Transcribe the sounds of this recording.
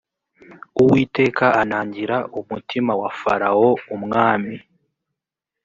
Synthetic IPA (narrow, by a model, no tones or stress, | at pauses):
uwiːte̞ːkaʔanaːɲɟiɾaʔumutʰimawafaɾao̞umŋaːmi